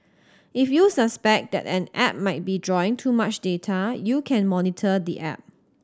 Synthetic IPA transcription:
ʔɪfjusəspɛk̚d̪ɛ̰tɛ̃nɛp̚maɪt̚bidɹɔɪ̃ŋtʰumat͡ʃdetʰajukʰɛ̃nmɔnitʰədḭʔɛ̰p̚

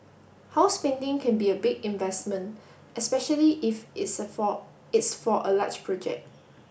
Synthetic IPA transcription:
haʊspɛ̃ndɪ̃ŋkʰɛ̃nbiəbɪɡĩnvɛsmə̃n | ɛspɛʃəliʔɪfs | ɪtsfɔʔəlat͡ʃpʰɹɔd͡ʒɛ̰k̚t̚

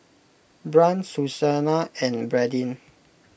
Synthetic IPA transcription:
bɹãnsusanaɛ̃nbɹɛdĩn

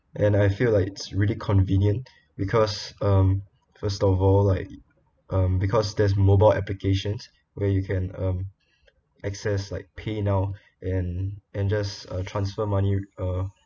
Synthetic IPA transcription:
ʔɛ̃naɪfilaɪkɪtsɹilikʰɔ̃nvĩnjə̃nt | bikʰɔsʌ̃m | fəstɔvɔllaɪk̚ | ʔʌ̃mbikʰɔsdɛs̬mobaɪlɛ̰plikʰeʃə̃ns | wɛjukʰɛ̃nʌ̃m | ʔɛksɛslaɪk̚pʰenaʊ | ʔɛ̃nʔɛ̃nd͡ʒasʌtʰɹãnsfəmãniʌ

